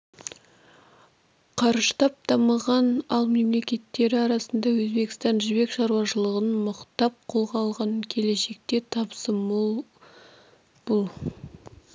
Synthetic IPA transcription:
qʰɑɾʒət̪ʰɑp̚t̪ɑməʁɑnɑlˠme̞mle̞kʲe̞t̪ːe̞ɾɪɑɾɑsənd̪ɑwɵzbe̞kst̪ɑnʒʏzbe̞kʃɑɾwɑʃəlˠəʁənməqt̪ɑp̚qʰo̞lˠʁɑlˠʁɑnkʲʰe̞le̞ʃe̞k̚t̪e̞t̪ʰɑpsə | b̥ʊlˠ

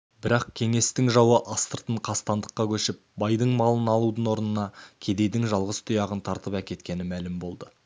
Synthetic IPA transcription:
bɪɾɑqkʲʰe̞ŋe̞st̪ɪŋʒɑwəʔɑst̪əɾt̪əɴqʰɑst̪ɑnd̪əqːɑkʲʰɵʃɪp̚bɑjd̪əɴmɑlˠənɑlˠud̪ənwo̞ɾnənɑkʲʰe̞d̪e̞jd̪ɪŋʒɑlˠʁəst̪ʰʊjɑʁənt̪ʰɑɾt̪əpækʲe̞t̪kʲe̞nɪmælɪmbo̞lˠd̪ə

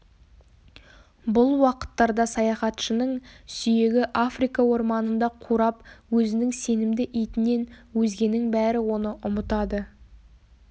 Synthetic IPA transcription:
bʊlˠwɑqə̥t̪ːɑɾd̪ɑsɑjɑχɑt̪ʃənəɴsʏje̞ɡʲɪʔafrijkɑwo̞ɾmɑnənd̪ɑqʰuɾɑpwɵzɪnɪŋse̞nɪmd̪ɪʔijt̪ɪne̞nwɵzɡʲe̞nːɪŋbæɾɪwo̞nəʔʊmət̪ɑd̪ə

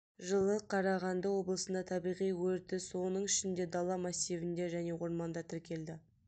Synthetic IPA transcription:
ʒəlˠəqʰɑɾɑʁɑnd̪əwo̞blˠəsənd̪ɑt̪ʰɑbijʁijwɵɾt̪ɪso̞nəɴɪʃɪnd̪e̞d̪ɑlˠːɑmɑsːivɪnd̪e̞ʒæne̞wo̞ɾmɑnd̪ɑt̪ʰɪɾkʲe̞ld̪ɪ

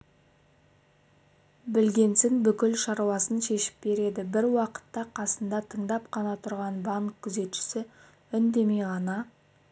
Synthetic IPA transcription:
bɪlɡʲe̞nsɪnbʏkʲɪlʃɑɾwɑsənʃe̞ʃɪ̥p̚be̞ɾe̞d̪ɪbɪɾwɑqə̥t̪ːɑqʰɑsənd̪ɑt̪ʰəɴd̪ɑpqʰɑnɑt̪ʰʊɾʁɑnbɑŋkkʲʰːʏze̞t̪ʃɪ̥sɪ | ʏnd̪e̞me̞jʁɑnɑ

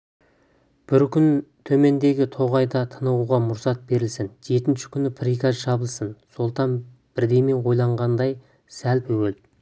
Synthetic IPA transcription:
b̥ɪɾkʲʏnt̪ʰɵme̞nd̪e̞ɡʲɪt̪ʰo̞ʁɑjd̪ɑt̪ʰənəʁuʁɑmʊɾsɑt̪̚be̞ɾɪlsɪnʒe̞t̪ɪnʃɪ̥kʲʰʏnɪpʰɾikʲazʒɑbəlˠsənso̞lˠt̪ɑn | b̥ɪɾd̪e̞jme̞ɴwo̞jlˠɑɴʁɑnd̪ɑj | sælpʰɵwel

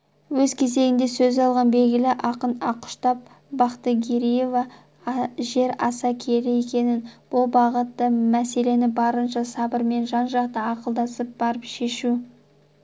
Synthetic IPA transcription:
wɵzkʲʰe̞ze̞ɡʲɪnd̪e̞sɵzɑlˠʁɑnbe̞lɡʲɪlɪʔɑqənɑqʊ̥ʃt̪ɑp̚ | bɑqt̪əɡʲeɾije̞vɑ | ʒe̞ɾɑ̰sɑkʲʰe̞ɾɪje̞kʲe̞nɪnb̥ʊlˠbɑʁət̪ːəmæse̞le̞nɪbɑɾənʃɑsɑbəɾme̞nʒɑnʒɑq̚t̪əɑqəlˠd̪ɑsəp̚b̥ɑɾəpʃe̞ʃu

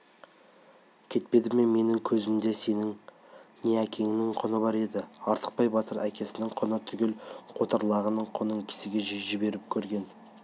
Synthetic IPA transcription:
kʲʰe̞t̪̚pe̞d̪ɪme̞nme̞nɪŋkʲʰɵzɪmd̪e̞se̞nɪŋ | neækʲʰe̞ŋɪnɪŋqʰonəbɑɾe̞d̪ɪɑɾt̪ʰə̥q̚pɑjbɑt̪əɾækʲʰe̞sɪnɪŋqʰonət̪ʰʏɡʲe̞lqʰo̞t̪ɑɾlˠɑʁənəɴqʰonəɴkʲʰɪ̥sɪɡʲe̞ʒʒɪbe̞ɾɪp̚kʲʰɵɾɡʲe̞n

